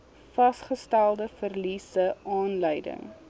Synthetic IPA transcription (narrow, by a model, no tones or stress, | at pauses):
fɐsχəstælˠdəfərlisəɑːnləjdə̰ŋ